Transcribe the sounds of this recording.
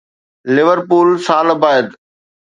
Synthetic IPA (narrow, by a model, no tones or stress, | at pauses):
lɪʋəɾpuːlsaːlbaːɪd̪